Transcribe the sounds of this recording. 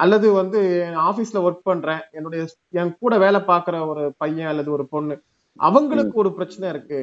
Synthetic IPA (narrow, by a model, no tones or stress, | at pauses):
ʔɐlːɐðɯʋɐnd̪ɯaːfiːsɪlɐɔɾʈ̚pɐɳɾẽːɛnːɯɽɐjɐ | ɛŋkuːɽɐʋeːlɛpaːɾkɯɾɐɔɾɯpɐjːɐ̃ɐlːɐðɯɔɾɯpɔɳː | ʔɐ̰ʋɐŋɡɐɭɯkːɯɔɾɯpɪɾɐt͡ʃːɐnɐ̃ɪɾɯkːɯ